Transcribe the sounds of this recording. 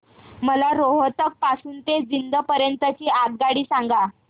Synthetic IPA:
məlaɾoɦət̪ək̚pasuːnt̪ed͡zind̪əpəɾjənt̪ət͡ɕiːat̪̚ɡaɽiːsaŋɡa

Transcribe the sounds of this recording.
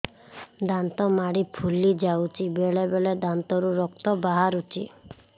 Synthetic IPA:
d̪ant̪ɔmaɽipʰulid͡ʒawt͡ʃʰibeɭebeɭed̪ant̪ɔɾuɾɔkt̪ɔbaɦaɾut͡ʃʰḭ

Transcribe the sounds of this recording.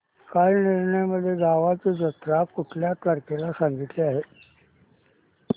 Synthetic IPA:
kalniɾɳəjməd̪ʱːjeɡaʋat͡sid͡zət̪ɾakuʈʰljat̪ʋəɾkelasãŋɡit̪leaɦe

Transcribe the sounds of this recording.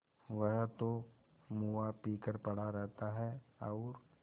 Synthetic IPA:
ʋɐɦt̪o | muːapiːkəɾpɐɽ̤aɾɛɦt̪aɦɛɔːɾ

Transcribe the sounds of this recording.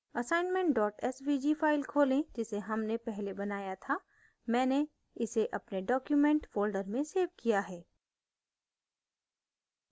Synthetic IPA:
ɐsaːɪnmẽɳʈ̚ɖɔːʈɛswiːd͡ʒifaːɪlkʰoːlẽd͡ʒɪseɦɐmnepɛɦlebɐnaːjat̪ʰa | mɛ̃ːne | ɪseʔɐpneɖɔːkjumɛ̃ɳʈfoːlɖəɾmẽseːʋkijaɦɛː

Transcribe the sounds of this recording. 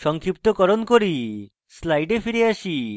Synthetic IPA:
ʃɔŋkʰipt̪ɔkɔɾɔnkoɾi | slajʈepʰiɾiaʃi

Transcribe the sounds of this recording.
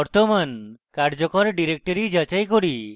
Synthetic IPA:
ɔɾt̪omankaɾd͡ʒɔkɔɾɖiɾek̚ʈɔɾid͡ʒat͡ʃajkoɽi

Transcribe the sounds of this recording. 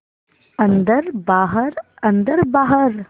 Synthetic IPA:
ɐ̃nd̪əɾbaːɦəɾ | ɐnd̪əɾbaːɦəɾ

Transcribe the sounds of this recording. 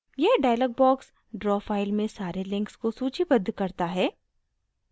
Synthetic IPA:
jeɦɖaːjələːɡ̚bɔːks | ɖɾɔːfaːɪlmẽsaːɾelɪ̃ŋkskosuːt͡ʃʰibɐd̪ːkɐɾt̪aɦɛː

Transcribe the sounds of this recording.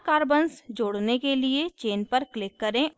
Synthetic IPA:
kaːɾbənsd͡ʒoːɽnekeliet͡ʃeːnpəɾklɪkːɐɾẽ

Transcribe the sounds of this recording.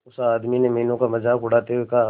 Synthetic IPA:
ʊsaaːd̪minemɐɦiːnõkamɐd͡ʒaːkʊɽ̤aːt̪eɦeka

